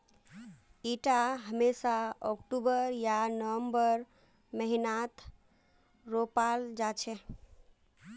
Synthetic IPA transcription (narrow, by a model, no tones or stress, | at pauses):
iʈaɦəmesaɔkʈubəɾjanəəmbəɾ | məɦinat̪ʰ | ɾopald͡ʒat͡ʃʰɛ